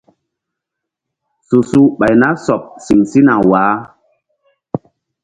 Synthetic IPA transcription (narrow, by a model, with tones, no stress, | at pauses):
su˨su˦ɓa˨jna˦sɔ˨p̚si˨ŋsi˦na˨waː˨˦